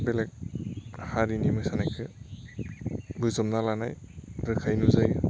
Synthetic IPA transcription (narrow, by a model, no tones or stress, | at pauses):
belek̚haɾinimɯsanajkʰɯ | bɯzɔmnalana̰jɾɯkʰajnuzajɯ